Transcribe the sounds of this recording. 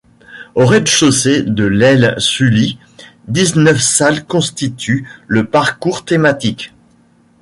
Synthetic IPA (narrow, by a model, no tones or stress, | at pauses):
oʁɛd̪ʃosed̪əlɛlsyli | d̪iznœfsalkɔ̃st̪it̪ʰyləpaʁkuʁt̪emat̪ik